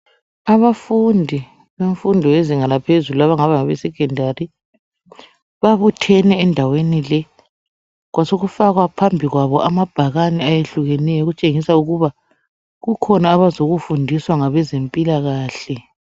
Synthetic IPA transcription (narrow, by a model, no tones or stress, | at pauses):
aβafundʱi | βeɱfundʱɔeziŋalapʰezuluaβaŋaβaŋaβesiɡ̥ʱɛndʱari | βaβutʰɛnɛːndʱawenilɛ | ɣwasoɣufaɣwapʰambʱiɣwaβɔʔamab̥ʱaɣanɛajeɬuɣɛnɛjɔɣut͡ʃʼeŋisauɣuβa | ɣukʰɔnaːβazoɣufundʱiswaŋaβɛzempʼilaɣaːɬɛ